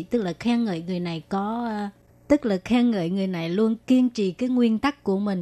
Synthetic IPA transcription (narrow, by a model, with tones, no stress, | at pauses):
t̪ɨ˦˥k̚laː˨˩xaː˧ŋə̰ː˧˨jŋɨ˨˩əjna˨˩jkɔ˨˦˧ | t̪ɨ˦˥k̚laː˨˩xaː˧ŋə̰ː˧˨jŋɨ˨˩əjna˨˩jlu˧ənki˧ənt͡ɕḭ˧˨kaː˨˦jŋwi˧ənt̪a˦˥k̚ːu˧˩əmï˨˩ŋ̟